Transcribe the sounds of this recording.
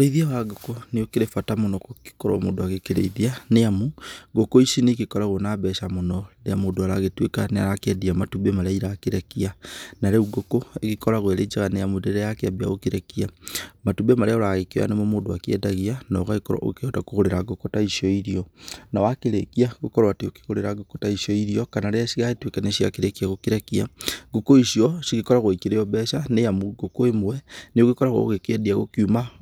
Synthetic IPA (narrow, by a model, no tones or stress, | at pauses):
oɾeiðiawaɡɔkɔneokeɾefatamonɔkoke̥kɔɾɔ̰mo̰ːdoaɣekeɾḛiðianeamuɡokoisinekekɔɾaɣonabɛʃamonɔɾeamodoaɾaɣetwekaneaɾakeadiamatubemaɾeaiɾakeɾɛkianaɾɛuɡokoeɣikɔɾaɣwɛɾed͡ʒaɣaneamundɛɾɛjakeabia̰ɣokeɾɛkiamatubemaɾeaoɾaɣekewa̰nemomodoakiḛdaɣianɔɣaɣikoɾa̰o̰ɣkeotakuɣoɾeɾaɡokotaiʃɔiɾiɔnawakiɾekiaɣukoɾwatioki̥ɣoɾeɾaɡokotaiʃɔiɾiɔkanaɾesiɣaitwekaneʃia̰kiɾekiaɣokiɾekia̰ɡokoiʃiɔʃiɣikɔɾaɣwoikiɾejɔbɛʃanejamuɡokoemuwɛneoɣikɔɾaɣo̰ɣekediaɣo̰kjuma